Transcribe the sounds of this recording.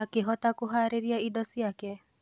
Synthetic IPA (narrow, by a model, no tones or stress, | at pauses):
akɪɦɔtakʊɦaɾeɾjaidɔsiakɛ